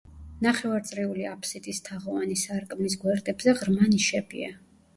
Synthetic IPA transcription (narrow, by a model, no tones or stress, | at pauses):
naχɛvaɾt̪sʼɾiuliapʰsit̪ʼist̪ʰaʁɔvanisaɾkʼmis̬ɡwɛɾd̪ʼɛbzɛʁɾmaniʃɛbḭa̰